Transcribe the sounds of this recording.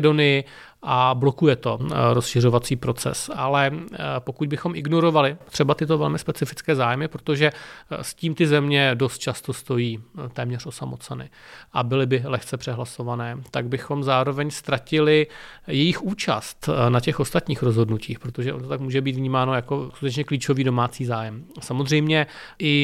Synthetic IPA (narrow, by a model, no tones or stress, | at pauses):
do̞nɪjɪ | ʔablo̞kujɛt̪o̞ɾosʃɪr̝o̞vat͡siːpɾo̞t͡sɛ̰sʔa̰lɛpo̞kuɟ̚bɪxo̞mʔɪɡno̞ɾo̞valɪt̪r̥ɛbat̪ɪt̪o̞vɛlmɪspɛt͡sɪfɪt͡skɛːzaːjmɪpɾo̞t̪o̞ʒɛsciːmt̪ɪzɛmɲɛdo̞st̪̚t͡ʃast̪o̞st̪o̞jiːt̪ɛːmɲɛrʔo̞samo̞t͡sɛnɪ̰ʔabɪlɪbɪlɛxt͡sɛpr̥ɛɦlaso̞vanɛːt̪aɡ̚bɪxo̞mzaːɾo̞vɛɲst̪ɾacɪlɪjɛjɪxuːt͡ʃa̰stt̪nacɛxo̞st̪at̪ɲiːxɾo̞zɦo̞dnuciːxpɾot̪o̞ʒɛʔont̪oakmuːʒɛbiːt̪vɲiːmaːno̞jako̞skut̪ɛt͡ʃɲɛkliːt͡ʃo̞viːdo̞maːt͡siːzaːjɛmsamozr̝ɛjmɲɛʔɪ